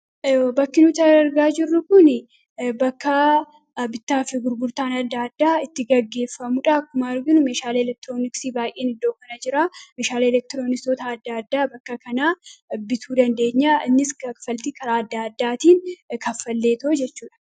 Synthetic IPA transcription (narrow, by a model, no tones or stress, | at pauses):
oːbɐkːɪnʊt̪ɐɾɐɾɡaːd͡ʒɪrːʊkʊnɪ | bɐkːɐ | bɪt̪ːaːfɪɡʊɾɡʊɾt̪aːnɐd̪ːaːd̪ːaːɪt̪ːɪɡɐɡːe̞ːfːɐmʊᶑɐɐkːʊmaːɪɾɡɪnʊmeːʃaːlːlɛk̚t̪ɪɾo̞ːnɪksiːbaːjʔeːnɪd̪ːo̞ːkɐnɐd͡ʒɪɾaːmeːʃaːleɛlɛk̚t̪ɪɾo̞ːnɪsot̪aːd̪ːaːd̪ːaːbɐkːɐkɐnaːbɪt̪uːd̪ɐnd̪e̞ːɲːaːɪnːɪskɐfɐlt̪ikʰɐɾaːɐd̪ːaːɐd̪ːaːt̪iːnkɐfːɐlːe̞ːt̪oːd͡ʒɛt͡ʃːuːᶑɐ̥